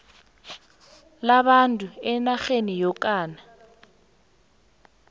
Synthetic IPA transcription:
laβantʼuɛnaɣenijɔkʼaːna

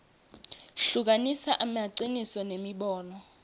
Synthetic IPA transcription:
ɬuk̬anisaʔamaǀinisɔnemiɓɔːnɔ

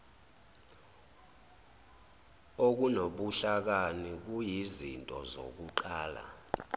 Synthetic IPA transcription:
ok̬unoɓuɬak̬anik̬ujizintʼɔzo̰k̬uǃaːla̰

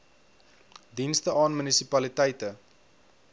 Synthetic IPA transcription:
dinstəʔɑːnmynisipɐlitɛjtə

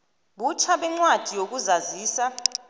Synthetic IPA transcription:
ɓut͡ʃʰaɓɛŋ͡ǀwad̥ʱijok̬uzaziːsa

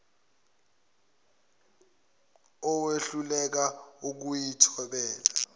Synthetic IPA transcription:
ɔweɬulɛk̬auk̬ujitʰɔɓɛːla

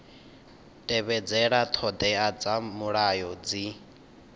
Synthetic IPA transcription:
tʼɛβɛd͡zɛɺat̪ʰɔd̪ɛad͡zamuɺajɔd͡zi

